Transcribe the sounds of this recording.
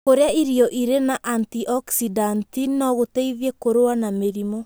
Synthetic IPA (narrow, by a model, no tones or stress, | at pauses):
koɾeaiɾiɔʔiɾenaʔantiʔɔksidantinɔɣoteiðjekoɾoanameɾimɔ